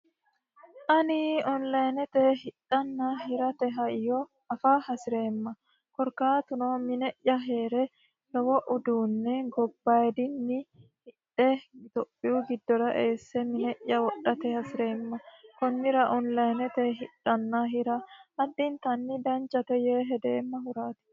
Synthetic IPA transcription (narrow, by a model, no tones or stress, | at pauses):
ʔɐnɪɔnlɐjnɛt̪ɛhɪᶑɐnːaːɦɪɾɐt̪ɛɦɐɪjɔ | ɐfaːhɐsɪɾe̞ːmːɐ | kɔɾkaːt̪ʊnoːmɪnɛʔːɐɦe̞ːɾɛ | lɔwɔʔʊd̪uːnːɛɡɔbːaːjd̪ɪnːɪhɪᶑɛt̪ɔpʼːɪʊɡɪd̪ːɔɾɐʔeːsːɛmɪnɛʔjːɐwɔɗːɐt̪ɛhɐsɪɾe̞ːmːɐkɔnːɪɾɐʔɔnlɐjnɛt̪ɛɦɪᶑːɐnːaɦɪɾɐɐd̪ːɪnt̪ɐnːɪd̪ɐnt͡ʃːɐt̪ɛjeːɦɛd̪e̞ːmːɐɦʊɾaːt̪ɪ̥